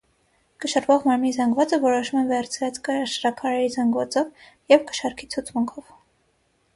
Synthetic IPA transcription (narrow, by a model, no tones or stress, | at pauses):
kəʃɑɾvɔʁmɑɾmnizɑŋɡvɑt͡səvɔɾɔʃumɛnvɛɾt͡sʰɾɑt͡skəɑʃɾɑkʰɑɾɛɾizɑŋɡvɑt͡sɔv | jɛvkə̥ʃɑɾkʰit͡sʰut͡sʰmuŋkʰɔv